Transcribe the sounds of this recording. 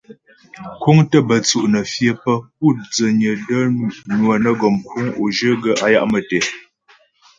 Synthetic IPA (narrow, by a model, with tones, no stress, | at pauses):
kwu˦ŋtə˦bə˨t͡su˨ʔnə˨fjə˦pə˦p̚u˦˨t̚d͡zə˨ɲə˨də˦nwə˨nə˦ɡɔ˨mkʰu˦ŋo˨ʒə˦ɡə˦a˦ja̰˦ʔmə˨tɛ˨